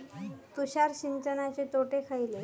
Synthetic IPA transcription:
t̪uɕaɾɕiɲt͡ɕənat͡ɕet̪oʈekʰajle

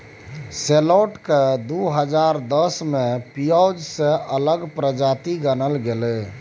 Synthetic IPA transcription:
seloʈked̪uɦəd͡ʒaɾd̪əsmepijawd͡ʒsẽʔələɡpɾəd͡ʒat̪iɡənəlɡele

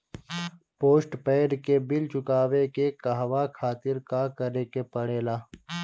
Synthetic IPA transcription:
poːsʈpeːɖkebɪlt͡ʃʊkaːwekekaɦʋaːkʰaːt̪ɪɾkaːkɐɾekepɐɽeːlaː

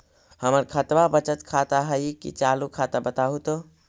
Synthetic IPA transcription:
həməɾkʰət̪ʋabət͡ʃət̪kʰat̪aɦəjkḭt͡ʃalukʰat̪abət̪aɦut̪o

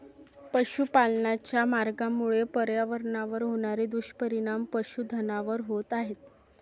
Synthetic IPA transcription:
pəɕupalnat͡ɕjamaɾɡamuɭepəɾjaʋəɾɳaʋəɾɦoɽ̃aɾed̪uɕpəɾiɽ̃ampəɕud̪ʱənaʋəɾɦot̪aɦet̪

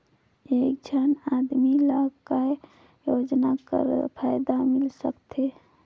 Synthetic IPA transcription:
ek̚d͡ʒʱanad̪miləɡka | jod͡ʒnakə̰ɾpʰajd̪amɪlsə̰kt̪ʰe

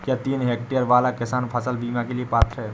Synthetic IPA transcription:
kjat̪iːnɦekʈijəɾʋalakɪsaːnpʰəsəlbimakeliepat̪ʰɾɦɛ

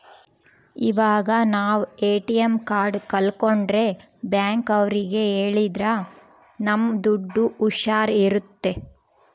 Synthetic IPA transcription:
iʋaːɡɐnaːʋeːʈijemkaːɾɖkɐlkoɳɖɾe̞ | bjaːŋkɐʋɾiɡe̞eːɭid̪ɾɐ | nɐmːd̪uɖːuːʃaːɾiɾut̪ːe̞

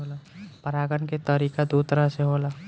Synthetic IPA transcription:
oːlapəɾaːɡənket̪əɾiːkad̪ut̪əɾaseɦoːlaː

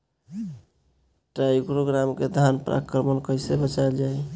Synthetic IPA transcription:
ʈɾaikɾoɡɾamked̪ʱanpɾʔa̰kɾəmənkəjsebət͡ʃald͡ʒaj

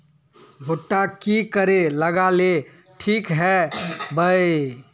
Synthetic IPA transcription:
ɡʱoʈːakikəɾeləɡale | ʈʰikɦɛbəj

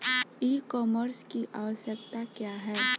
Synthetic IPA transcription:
iːkɔːməɾskiʔa̰ːʋəʃjək̚t̪akjaːɦɛː

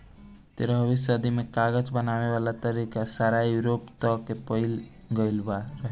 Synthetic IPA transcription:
t̪eɾəɦbisəd̪imekaɡəd͡ʒbənaʋeʋalat̪əɾikasaɾajuɾopt̪əkepəɪl | ɡəɪlbaɾəɦɛ

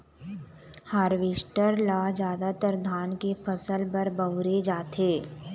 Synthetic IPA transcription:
haːɾʋeːʃʈəɾlaːd͡ʒjaːd̪at̪əɾd̪ʱaːnkefʰəsəlpɐɾbəʋɾed͡ʒaːt̪eː

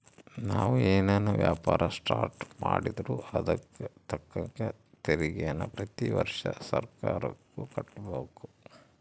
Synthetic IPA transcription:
naːʋueːneːnɐʋjaːpaːɾʔɐsʈaːɾʈmaːɽid̪ɾuɐd̪ɐkːet̪ʰɐkːɐŋkɐ | t̪eɾiɡɛjɐnːɐpɾɐt̪iʋɐɾʂɐsɐɾkaːɾɐkːukɐʈːboːku̥

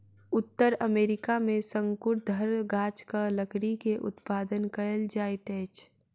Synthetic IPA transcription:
ʊt̪ːəɾəmeːɾɪkamẽsə̃ŋkʊʈ̚d̪ʱəɾɡaːt͡ʃkaləkɽikeʔʊ̰t̪paːd̪ənkəəld͡ʒaːit̪ɛːt͡ʃ

